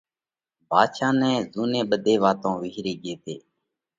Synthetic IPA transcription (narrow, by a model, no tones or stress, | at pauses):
bʱaːʃãːnɛ̃ːzuːnẽːɓəd̪ʱeːʋaːt̪õːʋɪɦɾeːɠeːt̪ʰeː